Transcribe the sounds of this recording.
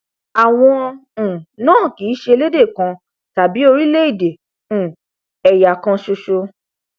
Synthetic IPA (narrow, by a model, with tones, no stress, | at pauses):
a˨w̃ɔ̃˧˨ | nãː˦˨ki˨˦ʃe˧le˦de˦˨kã˧ | ta˨bi˨˦o˧ɾi˦le˦i˦˨de˨ | ũ˨ | ɛ˨ja˨kã˧ʃo˧ʃo˧